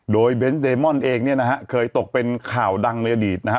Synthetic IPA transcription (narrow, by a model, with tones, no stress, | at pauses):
doː˧jbe˦˥nsdeː˧mɔ˥˩nʔeː˧ŋni˥˩ɐna˦kʰa˦˥ʔkʰɤː˧jt̪o˨˩k̚pe˧nkʰaː˨˩wda˧ŋlɤː˧jʔa˧diː˨˩t̪̚na˦˥kʰ